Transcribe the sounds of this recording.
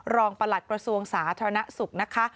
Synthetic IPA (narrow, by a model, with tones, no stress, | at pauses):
ɾɔː˧ŋpa˧la˨˩t̪̚kɾa˧su˧əŋsaː˩˦t̪ʰaː˧ɾa˧na˦˥su˨˩k̚na˦˥kʰa˦˥